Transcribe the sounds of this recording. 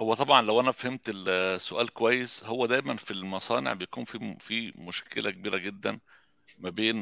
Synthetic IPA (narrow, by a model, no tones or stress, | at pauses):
howːæt̪ˤɑbʕɑnlæwʔænæfæhemt̪elsːoʔæːlkowæjːeshowːæd̪æːjmænfilmɑsˤɑːnḛʕbejækuːnfifimoʃkʰḛlækebiːɾæɡed̪ːæn | mæbeːn